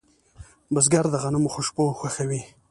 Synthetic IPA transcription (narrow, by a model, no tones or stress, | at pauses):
bazɡaɾd̪əɣanəmuxʊʃpoxaxawi